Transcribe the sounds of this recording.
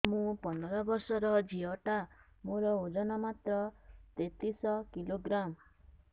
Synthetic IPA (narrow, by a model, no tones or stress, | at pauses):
mũpɔnɔɾɔbɔɾsɔɾɔd͡ʒiɔʈa | mõɾɔod͡ʒɔnɔmat̪ɾɔt̪et̪isɔkiloɡɾam